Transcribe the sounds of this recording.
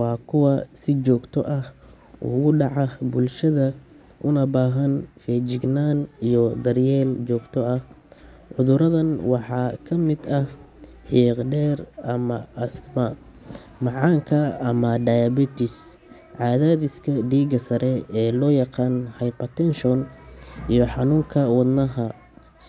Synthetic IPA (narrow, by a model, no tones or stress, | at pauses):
wɑːkʰʊwɑsɪt͡ʃɔːɡt̪ʰɔ̰ʔɐh | ʊ̰ɣʊɖɑʕɑbʊlʃɐðɐ | ʔʊnɐbaːɦɐnfɛːd͡ʒɪɡnaːnijɔd̪ɐrjɛːlt͡ʃɔːɡt̪ʰɔɐh | ʕʊðʊɾɐðɐnwɑħɑːkʰɐmɪd̪ɐh | ħiːqɖɛːrʔɐmɐɐsmɐ | mɑʕɑːŋkʰɐɐmɐɖɐjɐbit̪ɪs | ʕɑːðaːðɪskʰɐɖiːɡɐsɐɾʔɛɛːlɔːjɑqɑːnhɐjpɐt̪ɛnʃɔnʔijɔħɑnuːŋkʰɐwɑd̪nɐɦɐ